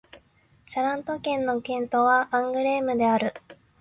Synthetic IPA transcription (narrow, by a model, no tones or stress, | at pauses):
ɕaɾãnt̪o̞kẽ̞nːo̞kẽ̞nt̪o̞βaãŋɡɯ̟ɾe̞ːmɯ̟d̪e̞aɾɯ̟